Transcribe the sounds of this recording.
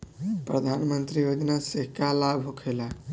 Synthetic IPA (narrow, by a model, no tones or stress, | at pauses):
pɾəd̪ʱanmənt̪ɾijod͡ʒ̪naseɦkalabʱɦokʰela